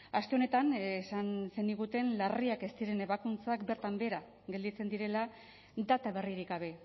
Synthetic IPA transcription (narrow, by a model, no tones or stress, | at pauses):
ast̪e̞o̞ne̞t̪ansanse̞niɣut̪e̞nlariake̞st̪iɾe̞ne̞βakunt͡sakbe̞ɾt̪ambe̞ɾa | ɡe̞ld̪it͡se̞nd̪iɾe̞la | d̪at̪aβe̞riɾiɡɡaβe̞